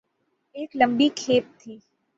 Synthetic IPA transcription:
eːklə̃mbikʰeːp̚t̪ʰiː

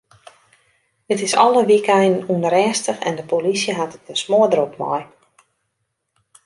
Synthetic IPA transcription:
dɪtɪsɔləʋikɛjnənuənɾɛːstəxɛ̰ndəpolisjəɦatət̚ənsmoədəɾɔpmɔ̰j

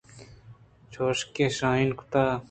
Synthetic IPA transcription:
t͡ʃʰoːʃkeːʃãːinku̥t̪aː

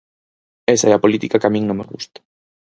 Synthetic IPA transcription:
esaɛapolit̪ikakamĩŋnõmḛɣṵst̪ḁ

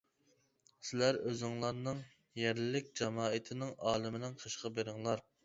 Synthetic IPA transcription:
sɪlæɾøzɪŋlˠɑɾnɨŋ | jæɾlɪlɪk̚ʲd͡ʒɑmɑːɪt̪ʰɪnɪŋɑːlˠɪmɪnɪŋqʰəʃqɑbeɾɪŋlˠɑɾ

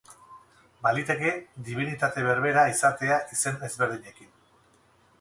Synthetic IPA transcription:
balit̪e̞ke̞d̪iβ̞init̪at̪e̞βe̞ɾβe̞ɾaisat̪e̞aʔise̞ne̞zβe̞ɾð̞iɲe̞kin

